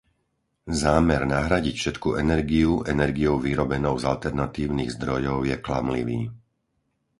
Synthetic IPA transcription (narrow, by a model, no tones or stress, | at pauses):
zaːmɛɾnaɦɾaɟicfʃɛt̪kuɛnɛɾɡiuʔɛnɛɾɡijɔʊʋiɾɔbɛnɔʊzalt̪ɛɾnat̪iːʊniːɣzd̪ɾɔjɔʊjɛkla̰mlḭʋiː